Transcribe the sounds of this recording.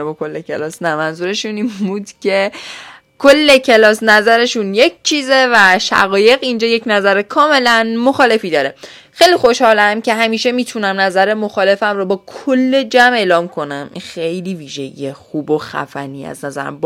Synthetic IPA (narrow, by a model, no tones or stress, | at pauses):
bɒkʰolːekʰelɒːsnæmænzuːɾe̞ʃunimbud̪cʰe̞ | kʰolːe̞cʰe̞lɒːsnæzæɾe̞ʃunje̞k̚ʰt͡ʃʰiːze̞væʃæ̰ɣɒːje̞ɣind͡ʒɒːje̞cnæzæɾekʰɒːme̞lænmo̞xɒːle̞fiːd̪ɒːɾe̞ | xe̞jlixo̞ʃhɒːlæmce̞ɦæmiːʃe̞miːt̪ʰunæmnæzæɾemoxɒːle̞fæmɾɔːbɒːkʰolːe̞d͡ʒæme̞ːlɒːmkʰo̞næmʔḭnxe̞jliːviːʒe̞̰ɟḭexuːboxæ̰fæ̰niːæ̰znæzæ̰ɾæ̰mb